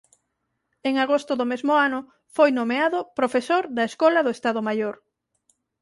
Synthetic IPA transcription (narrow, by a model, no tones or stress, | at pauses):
eŋaɣost̪ʊðomezmʊanʊ | fojnomeaðʊpɾofesoɾðɐeskɔlɐðʊest̪aðomajoɾ